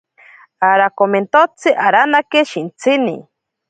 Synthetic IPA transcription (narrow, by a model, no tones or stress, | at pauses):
aɾakoment̪ot͡sʰɨʔaɾanakeʃint͡sʰɨnḭ